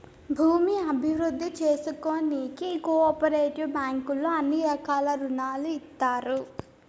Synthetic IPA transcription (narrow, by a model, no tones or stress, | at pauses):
bʱuːmiɐbʱiʋɾud̪ʱːit͡ʃe̞ːsuko̞ːniːkikoɔːpɐɾeːʈibaːŋkulːoɐnːiɐkaːlɐɾunaːluit̪ːaːɾu